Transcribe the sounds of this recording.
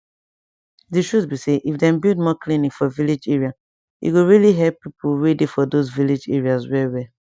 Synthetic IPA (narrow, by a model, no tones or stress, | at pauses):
diʃuzbiseʔifdɛ̃mbild̚mɔklĩnĩfɔvilid͡ʒɛɹia | jṵɡoɹiliɦɛlpːipʰuɹedifɔdozvilid͡ʒɛɹiaswɛwɛ